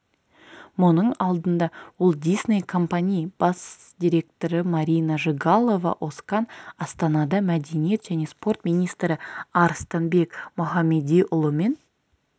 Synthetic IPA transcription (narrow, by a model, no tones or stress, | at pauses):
mʊnəɴɑlˠd̪ənd̪ɑwolˠd̪ijsnejkʰo̞mpanʲijb̥ɑs | d̪ʲiɾʲe̞k̚t̪o̞ɾəmɑɾʲijnɑʒɨɡɑlˠo̞vɑ̰ʔo̞skɑnɑst̪ɑnɑd̪ɑmæd̪enije̞t̪ʒ̥æne̞spo̞rt̪mijnijst̪ɾɪɑɾst̪ɑnbe̞kmʊχɑmed̪ijʔʊlˠəme̞n